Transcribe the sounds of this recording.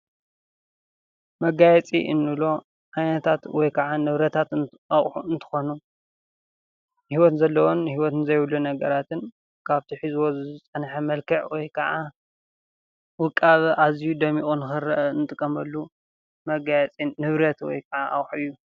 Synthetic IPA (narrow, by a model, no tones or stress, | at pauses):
mɐɡajɛt͡sʼḭʔɨnːɨlo̞ | ʕajnɐt̪ʰat̪wɔjkʰɐʕanɨβɾɐt̪ʰat̪ | ɐχʼħuɨnt̪ʰɨ̥xonu | hiwɔt̪nzɐlːɐwonhiwɔt̪nzɐjwulːunɐɡɐɾat̪ʰɨn | kʰaβt̪ʰiħizwozɨzɨt͡sʼɐnħɐmɐlkʰɐʕwɔjkʰɐʕa | wɨkʼːaβʔazijud̪ɐmiʔʼunɨxɨɾɐ̰ʔɨnɨt̪ʼɨkʼːɐmɐlːu | mɐɡajɛt͡sʼiːɨβɾɐt̪wɔ̰jkʰɐʕaʔɐ̰χʼħuɨjːu